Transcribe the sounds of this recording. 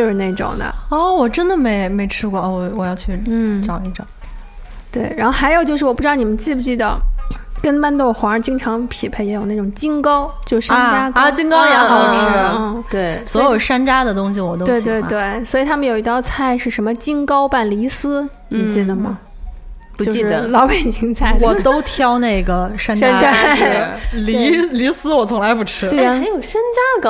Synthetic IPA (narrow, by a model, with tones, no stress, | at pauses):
ne˥˩ɪʈ͡ʂʊ̰˨˩ŋnə̰˦ɔ˥˩wɔ˨˩ʈ͡ʂə˥nd̪ə˨me˧˥ɪme˧˥ɪʈ͡ʂʰɻ̩˥kwɔ˥˧a˥˩wɔ˧˩wɔ˨˩jɑ˥˧ʊt͡ɕʰy˥˩n̩˥˩ʈ͡ʂɑ˨˩ʊi˥˩ʈ͡ʂʊ̰˨˩˦ | t̪we˥˩ɪɻa˧˥nxo˥˧xa˧˥ɪjo˨˩ʊt͡ɕjʂɻ̩˥˩wp̪n˨˩mə˦nt͡ɕi˥˩pu˧t͡ɕi˥˩d̪ə̰˩kə˥npa˥˧nt̪o˥˩ʊxwa˧˥˧t͡ɕi˥ŋʈ͡ʂʰɑ˧˥ŋpʰi˨˩pʰe˥˩ɪjɛ˧˥jo˨˩ʊna˥˩ʈ͡ʂʊ˨˩ŋt͡ɕi˥nkɑ˥ʊt͡ɕjo˥˧ʊʂʂa˥nt͡ɕja˥ki˥ŋkɑ˥ʊja˧˥˧ʂ̩˥n̩˥˩t̪we˥˩ɪswɔ˧ɔ˧˥jo˨˩ʊʂa˥nʈ͡ʂa˥d̪ə˨t̪ʊ˥ŋɕi˨˩wɔ˨˩t̪o˥twe˥˧ɪt̪we˥˧ɪt̪we˥˩ɪswɔ˧˥i˨˩t̪ʰa˥mə˨njo˨˩ʊi˧˥t̪ɑ˥˧ʊt͡sʰa˥˧ɪʂɻ̩˥˩ʂə˧˥nmə˧t͡ɕi˥ŋkɑ˥ʊpa˥˩nli˧˥sɹ̩˥ | ni˨˩t͡ɕi˥˩d̪ə˩mɐ̰˩ | t͡ɕu˧ji˥ʂɻə˥˩lɑ˧˥ʊpe˨˩ɪɕi˥ŋt͡sʰa˥˩ɪwɔ˨˩t̪o˥ʊt̪ʰjɑ˥ʊne˥˩ɪɡə˩ʂa˥nʂa˥n˥e˥˩ | li˧˥li˧˥sɹ̩˥wɔ˨˩t͡sʰʊ˧˥ŋla˧ɪpu˥˩ʈ͡ʂʰɻ̩˥˩˥jo˨˩ʊʂa˥nʈ͡ʂa˥k